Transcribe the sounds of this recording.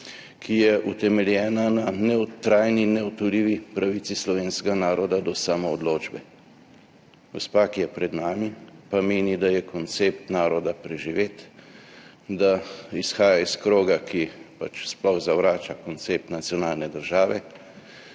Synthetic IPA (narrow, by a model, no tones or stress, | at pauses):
kʰijɛʔut̪ɛmɛljɛːnananɛwt̪ɾaːjninɛɔt̪ɔliːʋipɾaʋit̪sislɔʋeːnskɛɡanaːɾɔd̪ad̪ɔsaːmɔːd̪loːd͡ʒbɛ | ɡost̪̚pakijɛpɾɛd̪naːmipameːnid̪ajɛkɔnt̪seːp̚t̪naːɾɔd̪apɾɛʒiʋeːt̪ | d̪aisxaːjaiskɾoːɡakʰipa̰t͡ʃsplɔxzaʋɾaːt͡ʃakɔnt̪sep̚t̪nat̪sjɔnaːlnɛd̪əɾʒaːʋɛ